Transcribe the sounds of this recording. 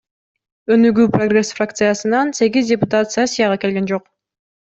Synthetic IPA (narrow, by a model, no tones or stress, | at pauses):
ø̞nyɡyːproɡre̞sfrakt̪sɨjasɯnɑnse̞ɡʲizdʲepʊt̪at̪sɨasʲijaʁɑke̞lɡe̞nd͡ʒo̞q